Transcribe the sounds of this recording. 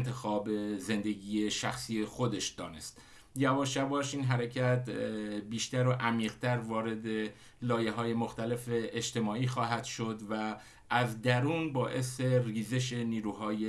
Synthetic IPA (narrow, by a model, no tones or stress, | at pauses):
nt̪ʰe̞xɒːbeze̞nd̪e̞ɡiːje̞ʃæxsiːje̞xo̞d̪e̞ʃd̪ɒːne̞st̪ | jævɒːʃævɒːʃiːnɦæɾe̞cʰæt̪biːʃt̪æɾoʔæmiːɣ̥t̪ʰæɾvɒːɾe̞d̪e̞ | lɒːje̞ɦɒːje̞moxt̪æle̞feʔːd͡ʒt̪e̞mɒːiːxɒːɦæd̪̥ʃo̞d̪væ | ʔːzd̪æɾuːnbɒːʔe̞se̞riːze̞ʃ̬e̞niːɾuːhɒːje